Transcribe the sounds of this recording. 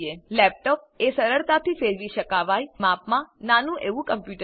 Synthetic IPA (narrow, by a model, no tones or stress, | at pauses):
elɛp̚ʈɔp̚ | esəɾəɾt̪at̪ʰifeɾʋiʃəkaʋajmapmãnanũʔeʋũkəmpjuʈə